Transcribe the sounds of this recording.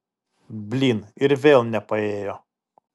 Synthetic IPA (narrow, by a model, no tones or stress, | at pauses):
bʲlʲiːnɪɾʋʲeːlˠnʲɛpɐeːjo